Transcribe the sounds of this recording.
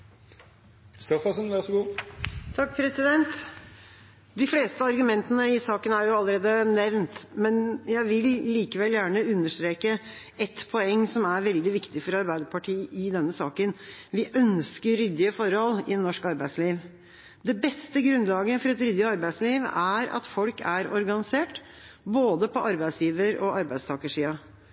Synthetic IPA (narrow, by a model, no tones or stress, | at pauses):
kʰɾɪst̪ɔfɑsənʋæsɔɡuːt̪ʰɑk̚ːpʰɾɛsɪd̪ɛnt̪ | d̪ɪfleːst̪əɑɾɡʉmɛnt̪ənəɪsɑːkənæɾjʊɑlːəɾeːd̪ənɛʋnt̪mɛnjæɪʋɪlːiːkəʋɛljæːɳəʉnːəʂt̪ɾeːkə | ɛt̪pʰɔɛŋsɔmæɾʋɛld̪ɪʋɪkt̪ɪfɔɾɑɾbæɪd̪əpʰɑʈʰiːɪd̪ɛnːəsɑːkənʋɪʔœnskəɾɾʏd̪ɪəfɔɾhɔlːɪnɔʂkɑɾbæɪsliːʋ | d̪ɛbɛst̪əɡɾʉnlɑːɡəfɔɾɛt̪ɾʏd̪ɪəɑɾbæɪsliːʋæɾɑ̰t̪fɔlkæɾɔɾɡɑnɪseːʈ | boːd̪əpʰɔʔɑɾbæɪsjiːʋəɾɔ̰ʔɑɾbæɪst̪ʰɑːkəʂiːɑ